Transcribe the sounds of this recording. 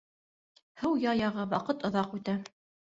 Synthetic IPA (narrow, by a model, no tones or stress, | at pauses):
hɤwjɑjɑʁɤwɑqɤt̪ŏðɑqʉt̪æ